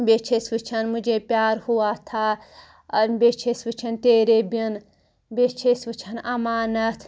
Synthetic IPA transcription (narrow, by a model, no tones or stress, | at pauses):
bet͡ʃʰesʋɨt͡ʃʰɐnmud͡ʒepjaːɾhuwaːt̪ʰa | ɐbet͡ʃʰesʋɨt͡ʃʰɐnt̪eːɾebin | bet͡ʃʰesʋɨt͡ʃʰɐnɐmaːnɐt̪ʰ